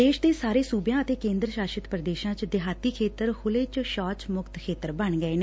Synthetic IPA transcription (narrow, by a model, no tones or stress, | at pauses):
eːʃd̪eːsaːɾeːsuːbjãːət̪eːkẽːnd̪ɾəʃaːʃət̪pɾəd̪eːʃãːt͡ʃd̪ɪɦaːt̪iːkʰeːt̪əɾhʰʊleːt͡ʃʃɔːt͡ʃmʊkt̪kʰeːt̪əɾbəɳɡəeːneː